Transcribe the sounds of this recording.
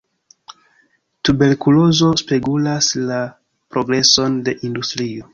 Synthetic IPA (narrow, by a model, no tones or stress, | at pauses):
tube̞ɾkulo̞zo̞spe̞ɡulasla | pɾo̞ɡɾe̞so̞nde̞ʔindustɾio̞